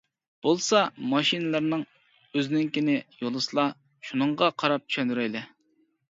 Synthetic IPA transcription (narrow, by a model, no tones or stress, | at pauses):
b̥olˠsɑmɑʃinɨlˠɨɾnɨŋ | øzɪnɪŋkʲinɪjolˠɨsɨlˠɑ | ʃunɨɴʁɑqʰɑɾɑp̚t͡ʃʰy̥ʃɛnd̪yɾɛjlɛ